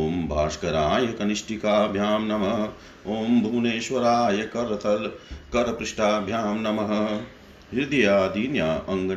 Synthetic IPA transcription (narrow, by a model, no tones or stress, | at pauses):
oːmbʱaːʃkɐɾaːjɐkɐniʃʈikaːbʱjaːmnɐmɐ | oːmbʱuːneːʃʋɐɾaːjɐkɐɾɐt̪ʰɐlkɐɾɐpɾɪʂʈaːbʱjaːmnɐmɐɦɐ̆ | ɦiɾd̪ijaːd̪iːnjaːʔɐŋɡɐ